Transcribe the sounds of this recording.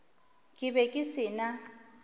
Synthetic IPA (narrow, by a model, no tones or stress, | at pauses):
kʼɪbɛkʼɪsɪːna